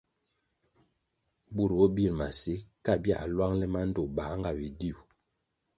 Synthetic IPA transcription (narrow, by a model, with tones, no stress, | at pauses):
bu˦˨ɾwo˦bi˦˨ɾma˨si˦ka˦˨bja̰˦˨a˨lwa˦ŋlɛ˦ma˦n˦do˨ba˨˦ŋɡa˨bi˨di˦˨u˨